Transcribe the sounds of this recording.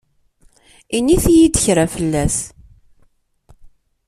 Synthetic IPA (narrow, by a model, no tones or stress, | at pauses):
iniθjid̪əçɾafəlːæs